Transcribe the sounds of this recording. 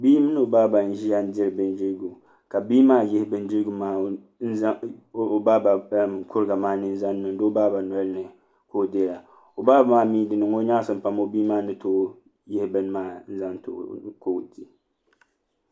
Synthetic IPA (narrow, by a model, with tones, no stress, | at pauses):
biː˦mɨ˦nɨ˦o˨baː˦ba˨n̩˨˦ʒi˦ja˦n˦dɪ˦ɾɨ˨bɨ˦ndɪ˦ɾɡu˨ | ka˨biː˦maː˦jɛ˦hɪ˦bɨ˦ndɪ˦ɾɡu˦maː˦˨ | ba˦ba˨kʰʊ˦ɾɨ˦ɡa˨maː˦nɨ˦n̩˦za˦nː˦ɨ˨ŋdo˦o˦baː˦ba˨nɔ˨˦lnɨ˨ | ko˦˨de˦˨la˨ | o˨baː˦ba˦maː˦miː˦dɨ˨nɨ˨ŋo˦ɲaː˦sɨ˦m̩˦pa˦mo˦biː˦maː˦nɨ˦to˦ | jɛ˦hɪ˦bɨ˦n˦maː˦n̩˦za˦nto̰˨ko˦˨ti˦